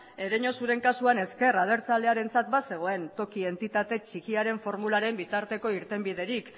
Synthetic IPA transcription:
e̞ɾeɲo̞suɾe̞ŋkasuane̞ske̞rað̞e̞ɾt͡sale̞aɾe̞nt͡sat̪base̞ɣ̞o̞e̞nt̪o̞kie̞nt̪it̪at̪e̞t͡ʃikiaɾe̞ɱfo̞ɾmulaɾe̞mbit̪aɾt̪e̞ko̞iɾt̪e̞mbið̞e̞ɾik

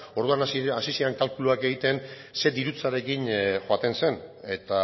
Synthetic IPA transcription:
o̞ɾðuanasisiaŋkalkuluake̞ɣ̞it̪e̞n | se̞d̪iɾut͡saɾe̞kinxoat̪e̞nse̞ne̞t̪a

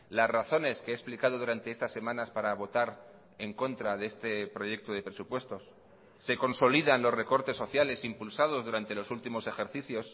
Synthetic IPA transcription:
lasraθo̞ne̞skeeːksplikaðo̞ð̞uɾant̪e̞est̪asːe̞mãnaspaɾaβ̞o̞t̪aɾ | e̞ŋko̞nt̪ɾaðeest̪e̞pɾo̞ʝe̞k̚t̪oð̞e̞pɾe̞supwe̞st̪o̞sː | e̞ko̞nso̞liðanlo̞sre̞ko̞ɾt̪e̞sːo̞θjale̞simpulsað̞o̞zðuɾant̪e̞lo̞sult̪imo̞se̞xe̞ɾθiθjo̞s

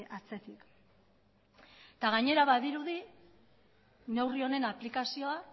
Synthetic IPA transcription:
at͡se̞t̪ik | t̪aɣ̞aɲe̞ɾaβaðiɾuði | ne̞wrio̞ne̞naplikasio̞a

